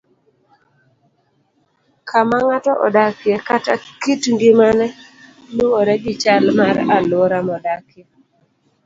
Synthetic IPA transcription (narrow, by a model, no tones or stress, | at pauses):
kʰamaŋatɔʔɔ̰dakjekatakitŋɡimanɛ | nuoɾɛɡɪt͡ʃalmaɾalwɔɾamɔdakɪe